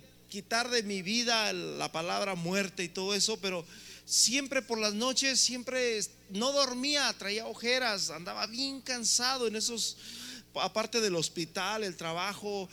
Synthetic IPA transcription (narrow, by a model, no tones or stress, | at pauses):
kit̪aɾðe̞miβiðala̰palaβɾamwe̞ɾt̪e̞it̪o̞ð̞o̞e̞so̞pe̞ɾo̞sje̞mpɾe̞po̞ɾlazno̞t͡ʃe̞sːje̞mpɾe̞s | no̞ðo̞ɾmiat̪ɾaiaoxe̞ɾasand̪aβaβje̞ŋkansað̞oene̞so̞s | apaɾt̪e̞ðelo̞spit̪ale̞lt̪ɾaβaxo̞